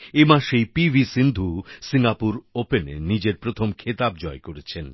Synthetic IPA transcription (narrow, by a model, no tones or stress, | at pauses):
emaʃejpibʱisind̪ʱusiŋɡapuɾopenḛnid͡ʑeɾpɾot̪ʰomkʰet̪abd͡ʑɔekoɾet͡ɕʰen